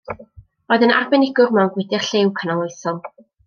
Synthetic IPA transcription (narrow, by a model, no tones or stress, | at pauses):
oːɨðəna̰rbɛnɪɡʊrmɛwnɡwɪdɪrɬewkʰənalˠojsɔm